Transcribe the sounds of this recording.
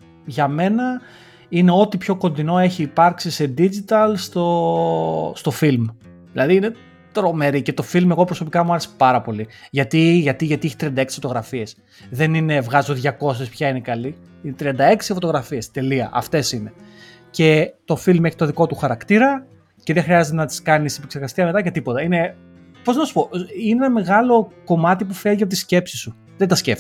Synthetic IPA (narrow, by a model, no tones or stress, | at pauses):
ʝɐme̞nɐ | ine̞o̞t̪ipço̞ko̞nd̪ino̞e̞çiːpɐɾksise̞d̪id͡ʒit̪ɐlst̪o̞ | st̪o̞film | ðilɐðiine̞ | t̪ɾo̞me̞ɾice̞t̪o̞filme̞ɣo̞pɾo̞so̞pikɐmuɐɾese̥pɐɾɐpo̞liʝɐt̪iʝɐt̪iʝɐt̪ieçi̥t̪ɾiɐnd̪ɐeksfo̞t̪o̞ɣɾɐfie̞s | ðe̞nine̞vɣɐzoðʝɐko̞s̬espçɐinekɐli | inet̪ɾiɐnd̪ɐe̞ksifot̪o̞ɣɾɐfie̞st̪e̞liɐ̰ʔɐ̰ft̪e̞sine̞ | ce̞t̪o̞filme̞çi̥t̪o̞ðiko̞t̪uxɐɾɐkt̪iɾɐ | ce̞ðexɾiɐzet̪enɐt̪i̥skɐnisipekse̞ɾɣɐst̪iɐmet̪ɐcɐt̪ipo̞t̪ɐine̞ | po̞znɐsu̥poineenɐme̞ɣɐlo̞ko̞mɐt̪ipufeʝiɐpot̪isce̞psi̥st̪u | ðed̪ɐscefi̥